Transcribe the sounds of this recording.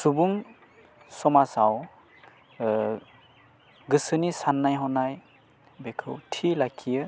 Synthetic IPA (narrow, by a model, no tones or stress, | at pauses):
subuŋ | sɔmasaw | ɡɯsɯnisanːajɦɔnaj | bekʰɯwtʰilakʰijɯ